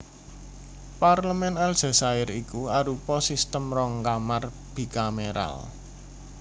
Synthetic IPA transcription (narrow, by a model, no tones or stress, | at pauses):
parləmɛnalz̥a̤saɪɾikuaɾupɔsist̪əmrɔŋkamar | b̥i̤kameɾa̰l